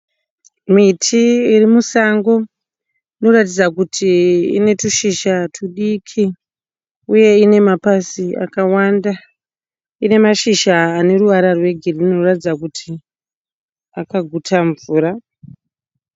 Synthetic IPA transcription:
muitʰiirimusaŋɡo̞ | ino̞ratid͡zakutʰiḭne̞tuʃiʃatʰuɗikʰi | uje̞ine̞mapasia̰kawanda | ine̞maʃiʃaːne̞ɾuʋaɾarwe̞ɡʱirino̞ratid͡zak̬utʰi | akaɡʱutʰaɱvuːɾa

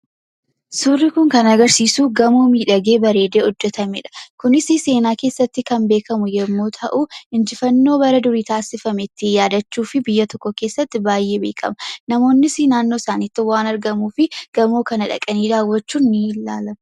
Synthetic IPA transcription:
suːrːɪkʊŋkɐnɐɡɐɾsiːsuːɡɐmoːmiːᶑɐɡe̞ːbɐɾe̞ːd̪eːhɔd͡ʒːɛt̪ɐmɛ̰ᶑɐ̥kʊnɪsɪse̞ːnaːke̞ːsːɐt̪ːɪkɐnbe̞ːkʰɐmʊjɛmːoːt̪ʰɐʔʊɪnd͡ʒɪfɐnːo̞ːbɐɾɐd̪ʊɾiːt̪aːsɪfɐmɛt̪ːɪjaːd̪ɐt͡ʃːuːfɪbɪjːɐt̪ɔkːɔke̞ːsːɐt̪ːɪbaːjːe̞ːbe̞ːkʰɐ̰mɐnɐmo̞ːnːɪsɪnaːnːoːsaːniːt̪ːɪwaːnɐɾɡɐmuːfɪɡ̥ɐmo̞ːkɐnɐᶑɐ̰kʼɐniːd̪aːwːɐt͡ʃːuːnːɪlaːlɐm

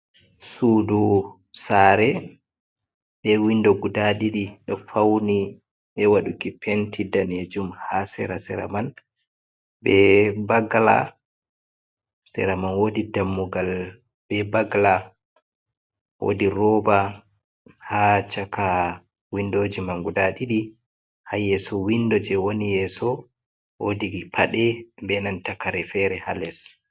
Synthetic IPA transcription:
suːdu | saːɾɛ | bɛwindɔɡudaɗiɗiɗɔfawni | ɓɛwaɗukipʰentʰidaned͡ʒumhasɛ̰ɾasɛɾa̰man | bbɛbaɡla̰ | sɛ̰ɾamanwodidamːuɡal | bɛbaɡla | wo̰diɾɔba | hat͡ʃaka | windod͡ʒimaŋɡudaɗiɗi | hajɛsɔwindɔd͡ʒɛwonijɛsɔ | wodiɡipʰaɗɛbɛnantakaɾɛfɛɾɛhalɛs

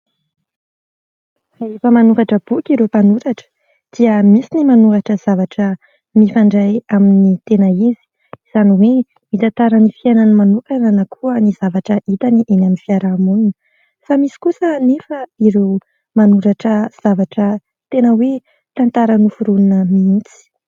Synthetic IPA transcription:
aefəmanukaʈ͡ʂəb̥ukiɾewpanuɾaʈ͡ʂə̥ | d̪̥iəmisinimanukaʈ͡ʂəz̥avaʈ͡ʂə | mifaɳɖ͡ʐajaminit̪enəizi̥ | z̥aniwe | mit̪ant̪aɾənifiananmanukananakʰuəniz̥avaʈ͡ʂəʔit̪aniʔenaminfiaɾamununə | famisi̥kusənefəiɾew | manuɾaʈ͡ʂəz̥avaʈ͡ʂə | t̪enəwe | t̪ant̪aɾənufuɾununəmiit͡si̥

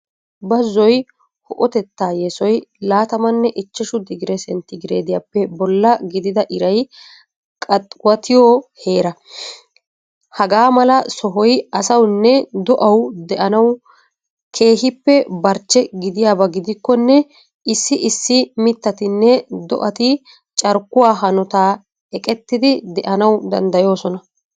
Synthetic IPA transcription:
bɐzːɔj | hɔʔɔt̪ɛt̪ːaːjɛsɔjlaːt̪ɐmɐnːɛʔɪt͡ʃːɛʃʊd̪ɪɡɪɾɛsɛnt̪ɪɡɪɾeːd̪ɪjapːɛbɔlːɐɡɪd̪ɪd̪ɐʔɪɾɐj | kʼɐt̪ʼwɐt̪ʰɪjɔːhe̞ːɾɐ | hɐɡaːmɐlɐsɔɦɔjɐsɐwnːɛd̪ɔʔɐwd̪ɛʔɐnɐw | kʰe̞ːɦɪpːɛbɐɾt͡ʃːɛɡɪd̪ɪjaːbɐɡɪd̪ɪkːɔnːɛ | ʔɪsːɪʔɪsːɪmɪt̪ːɐt̪ɪnːɛd̪ɔ̰ʔɐt̪ɪ | t͡ʃʼɐɾkːʊwaːɦɐnɔt̪aː | ɛkʼɛt̪ːɪd̪ɪd̪ɛʔɐnɐwd̪ɐ̰nd̪ɐjo̞ːsɔnɐ

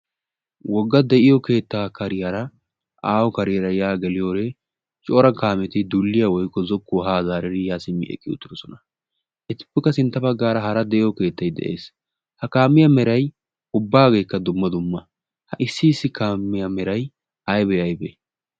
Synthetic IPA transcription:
wɔɡːɐd̪ɛʔɪjɔke̞ːt̪ːaːkɐɾɪjɐɾɐ | aːwɔkɐɾɪjɐɾɐjaːɡɛlɪjo̞ːɾɛ | t͡ʃʼɔːɾɐkaːmɛt̪ɪd̪ulːɪjɐwɔjkːɔzɔkːʊɦaːzaːɾɛɾɪjaːsɪmːɪ̰ʔɛ̰kʼːɪʊ̰t̪ːɪɾɔsɔnɐ | ʔɛt̪ɪ̥pːɛkːɐsɪnt̪ːɐbɐɡːaːɾɐhɐɾɐd̪ɛʔɪjɔke̞ːt̪ːɐjd̪ɛ̰ʔḛːs | hɐkaːmːɪjɐmɛɾɐj | ʊbːaːɡe̞ːkːɐd̪ʊmːɐd̪ʊmːɐ | hɐʔɪsːɪːsːɪkaːmːɪjɐmɛɾɐj | ɐjbɛɐjbɛ

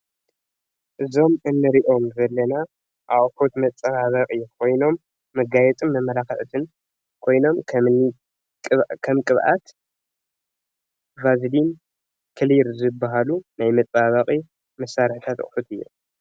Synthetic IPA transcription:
ʔɨzo̞mɨnːɨɾiʔo̞mzɐlːɐna | ʔaʔkʰo̞t̪mɐt͡sʼɐβaβɐkʼikʰo̞jno̞mː | ɐɡajɛt͡s̪ʼɨmːɐmːɐlakɨʕt̪ʰɨn | kʰo̞jno̞mkʰɐmni | kʼkʰɐmkʼɨβʔa̰t̪ | vazlin | kʰɨliɾzɨbːaɦalunajmɐt̪ʼβaβɐqʼi | mɐsːaɾħɨt̪ʰat̪ʼħut̪ʰɨjːṵ

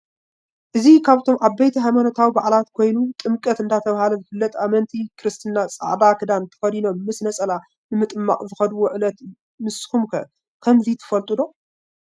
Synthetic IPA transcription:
ʔɨzikʰaβt̪ʰo̞mʔaβbɐjt̪ʰiɦajmɐnɐt̪ʰawibaʕlat̪kʰo̞jnut̪ʼɨmkʼɐt̪ɨnd̪ʰat̪ʰɐβhalɐzɨfɨlːɐt̪ʼamɐnt̪ʰikʰɨɾɨst̪ʰɨnːasʼa̰ʕd̪akʰɨd̪ant̪ʰɐ̥xɐd̪ino̞mːɨsnɐsʼɐla | nɨmɨt̪ʼɨmːa̰χʼzɨxɐd̪woʕɨlɐt̪ | mɨskumkʰɐ | kʰɐmzit̪ʰɨ̥fɐlt̪ʼɨd̪o̞

